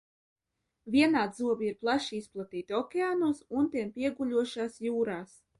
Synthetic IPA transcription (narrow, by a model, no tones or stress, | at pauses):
vʲiɛnaːd̪zuɔbʲiiɾplˠaʃiisplˠat̪iːt̪iɔkʲeaːnuːsunt̪iɛmpʲiɛɡuʎʲuɔʃaːsjuːɾaːs